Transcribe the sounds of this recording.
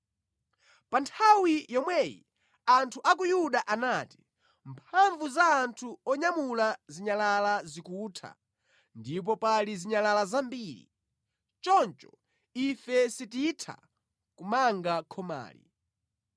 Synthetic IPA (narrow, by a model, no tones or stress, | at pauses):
pantʰawijɔmwɛjḭ | antʰuʔak̬ujuɗaʔanati̥ | mpʰaɱvuzaːntʰuɔɲamulaziɲalalazikutʰa̰ | ndip̬ɔpaliziɲalalazambiɾḭ | t͡ʃɔnt͡ʃɔ | ifɛsititʰa̰ | kumaŋɡakʰɔma̰ːlḭ